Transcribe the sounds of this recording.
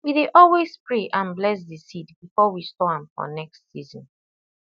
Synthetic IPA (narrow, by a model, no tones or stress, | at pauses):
wideʔɔlwezpɹeʔãnblɛs̬disidbifɔwistɔãmfɔ̰nɛkstsizɔ̃n